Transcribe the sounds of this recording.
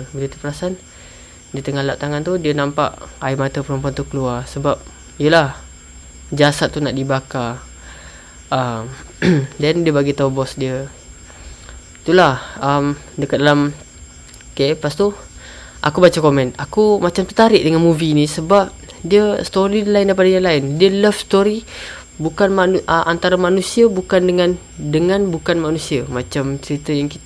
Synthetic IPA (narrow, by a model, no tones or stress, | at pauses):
bələt̪upəɾasan | diət̪əŋalaʔ̚t̪aŋant̪udiənampa̰ʔaimat̪əpəɾɔmp̬ɔnt̪ukəluarsəbap̚ | jəlah | d͡ʒasat̪ːunaʔdibaka | ʔəmdandiəbaɡit̪aubɔsdiə | t̪ulahəm | dəkat̪̚dalam | kepast̪u | ʔa̰kubat͡ʃakomɛ̃nakumat͡ʃamt̪ət̪aɾɪʔdəŋanmuvinisəbap̚diəst̪oɾidlaɪndajpadaɲaŋlaɪndiələfst̪oɾi | bukanmaʔəʔant̪aɾamanusiəbukandəŋan | dəŋanbukanmanusiəmat͡ʃamt͡ʃəɾit̪əjaŋkit̪